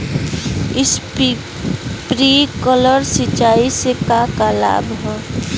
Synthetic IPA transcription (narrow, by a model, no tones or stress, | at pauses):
ɪs | pɾikɔləɾsit͡ʃaisekakala̰bɦɔ